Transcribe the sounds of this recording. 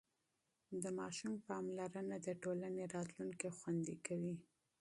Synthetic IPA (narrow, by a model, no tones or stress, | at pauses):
d̪əmɑʃumpɑmlaɾənad̪əʈolaneɾɑt̪luŋkexwand̪ikawi